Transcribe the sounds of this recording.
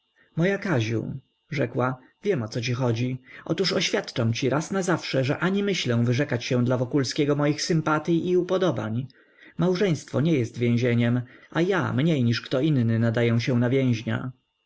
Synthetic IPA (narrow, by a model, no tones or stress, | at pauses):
mɔjakaʑṵ | ʐɛkwa | vʲjɛmɔt̪sɔt͡ɕixɔd͡ʑiʔɔ̰t̪uʂɔɕfʲjat̪t͡ʂamt͡ɕiɾasnazafʂɛʐɛʔaɲimɘɕlɛw̃vɘʐɛkat͡ɕɕɛ̃w̃d̪lavɔkulskʲɛɡɔmɔjixsɘmpat̪jiʔiupɔd̪ɔba̰ɲ | mawʐɛ̃j̃st̪fɔɲɛjɛst̪vʲjẽw̃ʑeɲɛmaja̰mɲejɲiʂkt̪ɔinnɘnad̪ajɛw̃ɕɛ̃w̃navʲjɛ̃w̃ʑɲa̰